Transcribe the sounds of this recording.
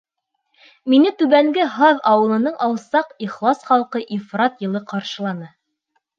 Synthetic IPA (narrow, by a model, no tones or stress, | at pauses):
minɘt̪ʉβæŋɡɘɦɑðɑwɤ̆lˠɤ̆nɤɴʔɑwˠsɑqiχlˠɑsχɑlˠqɤʔifrɑt̪jɤ̆lˠɤqɑɾʃɤ̆lˠɑnɤ